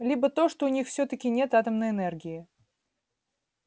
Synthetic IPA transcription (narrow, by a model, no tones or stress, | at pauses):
lʲibət̪o̞ʂt̪oʊnʲixfsʲɵt̪əkʲɪnʲe̞t̪at̪əmnəjɛnɛrɡʲɪɪ